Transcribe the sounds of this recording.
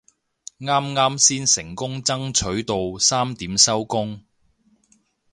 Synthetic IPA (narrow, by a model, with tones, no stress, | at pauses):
ŋaː˥mŋaː˥msiː˥nsɪ˨˩ŋkʊ˥ŋt͡sɐ˥ŋt͡sʰɵ˨˥ɥt̪o˨wsaː˥mt̪iː˨˥msɐ˥wkʊ˥ŋ